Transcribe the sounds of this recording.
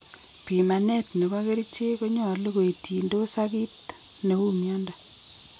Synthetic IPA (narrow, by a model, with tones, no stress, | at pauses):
pi˨ma˨ne˦tne˨ba˦ke˦ɾi˦t͡ʃe˦ko˦ɲɔ˦˨le˦ko˨i˨ti˨ndo˦sa˦ki˦t | ne˨u˦mjɔ˦nda˨